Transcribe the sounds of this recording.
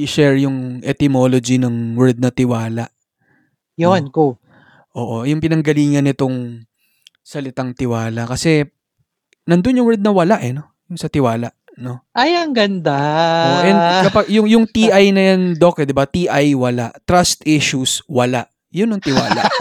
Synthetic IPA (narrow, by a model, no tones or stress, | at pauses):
ʔɪʃɛɹjʊŋʔɛt̪ɪmo̞lod͡ʒinɐŋwɛɹd̪̚nɐt̪ɪwaːlɐʔ | jonku | ʔo̞̰ːʔo̞jʊŋpɪnɐŋɡɐliːŋɐnːɪt̪o̞ŋ | sɐlɪt̪aŋt̪ɪwaːlɐkɐsɛ | nɐnd̪o̞njʊŋwɛɹd̪̚nɐwɐlaʔɛno̞ | jʊŋsɐt̪ɪwaːlɐʔ | no̞ʔɐjɐŋɡɐnd̪aʔʔɛnd̪kɐpɐɡjʊŋjʊŋt̪iʔajnɐjand̪okɛd̪ɛbat̪iʔajwɐlaʔt̪ɾast̪ʔiʃuswɐlaʔ | jʊnɐŋt̪ɪwa̰ːla̰ʔ